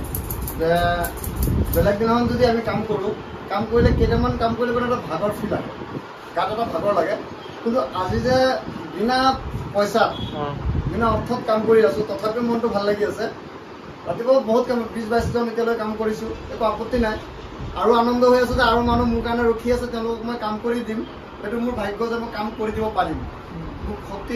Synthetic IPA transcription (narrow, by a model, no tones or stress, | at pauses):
zɛ | bɛlɛɡ̚dinamanzodiamikamkoɹʊ̃ | kamkoɹilɛketamankamkoɹilɛbɛnaɛtabʱaɡɔɹpʰila̰ɡɛ̰ | ɡatɛtabʱaɡɔɹlaɡɛ | kintuʔazizɛdinapɔjsa | binaɔtʰːɔtkamkoɹiasʊ̃tɔtʰapɛmɔntʊbʱalːaɡiasɛ | tatikɔboɦut̚kambis̬bajszɔnetijalojkamkoɹisʊ̃ekɔapɔtːinaj | aɹuanɔndɔɦojasɛzɛaɹumanumʊɹkanɛɹokʰiasɛtɛɛʊ̃lʊkɔkmɔjkamkoɹidim | xejtʊmʊɹbʱajɡɔzɛmojkamkoɹidibɔpadim | mukxʰɔkti